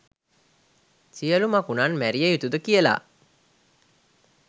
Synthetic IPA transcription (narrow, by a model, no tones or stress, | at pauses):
siəlumakunanmæɾijeit̪ud̪əkijəla̰ː